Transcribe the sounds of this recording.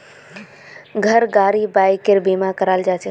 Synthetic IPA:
ɡʱəɾɡaɾibajkeɾbemakəɾald͡ʒat͡ʃɛ

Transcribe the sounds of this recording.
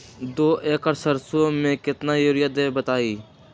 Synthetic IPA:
d̪oːʔeːkəɾsəɾsõmẽkɪt̪najoɾɪjad̪eːbət̪aːiː

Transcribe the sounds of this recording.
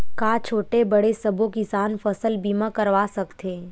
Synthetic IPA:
kaːt͡ʃʰoːʈebɐɽesɐbʱõkɪsaːnfɐsəlbiːmãkɐɾʋaːsɐkt̪ʰeː

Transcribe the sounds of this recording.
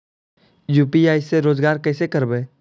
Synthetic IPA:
juːpiaːɪseɾoːzɡaːɾkɛːsekəɾbeː

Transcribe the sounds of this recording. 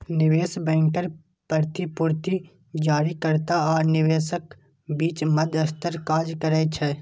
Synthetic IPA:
nɪʋeːsbɛ̃ːŋkəɾ | pəɾt̪ipʊɾt̪i | d͡ʒaːɾikəɾt̪aɔːɾnɪʋeːsək | biːt͡ʃmɐd̪ɐst̪əɾkaːd͡ʒkəɾɛt͡ʃʰɛː

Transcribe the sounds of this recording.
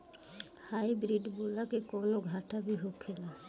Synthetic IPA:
hajbɾiɖbolakekonoɡʱaʈabiɦokʰela

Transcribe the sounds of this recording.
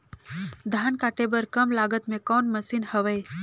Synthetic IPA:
d̪ʱankaʈebəɾkəmlaɡət̪mẽkɔːnməsiːnhəʋəj

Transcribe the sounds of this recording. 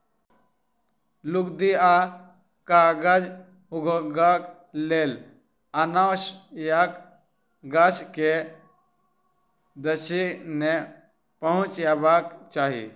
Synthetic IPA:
lukd̪ia | kaɡad͡ʒ | uɡʱɡak | lel | anaʃjak | ɡaske | d̪əʃine | pəɦũt͡ʃjabakt͡ʃaːɦḭ

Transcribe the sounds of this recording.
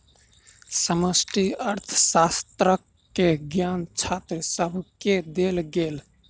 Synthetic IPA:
səməsʈiəɾt̪ʰəsast̪ɾəkː | eɡjant͡ʃʰat̪ɾəsəbʱked̪elɡel

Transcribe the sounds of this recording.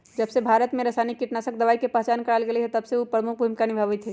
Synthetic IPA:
d͡ʒəbsebʱaːɾət̪mẽɾɐsaɪnikːiʈnasək̚d̪əʋaːikepɐɦt͡ʃaːnkəɽaːlɡeleɦɛt̪ɐbseopɾəmʊkʰbʱuːmkanibʱəʋət̪ʰɦɛ

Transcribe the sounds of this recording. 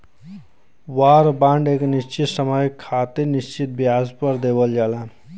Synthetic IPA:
waɾbãɳɖeːknist͡ʃit̪səməjkʰːat̪inist͡ʃit̪̚biazpəɾd̪ebəld͡ʒala

